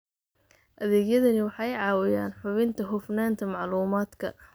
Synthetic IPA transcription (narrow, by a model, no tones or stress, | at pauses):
ʔɐðɛːɣjɐðɐnɪwɑħɑjʕɑːwɪjaːnħʊβɪnt̪ʰɐɦʊfnaːnt̪ʰɐmɑʕluːmaːd̪kʰɐ̰